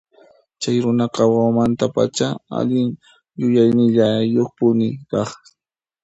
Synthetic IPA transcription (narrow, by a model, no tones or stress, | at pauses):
t͡ʃajɾʊnɑqɑwawmant̪apa̰t͡ʃaa̰ʎɪŋ | jʊjajnɪʎajoχpʊnɪkɑχ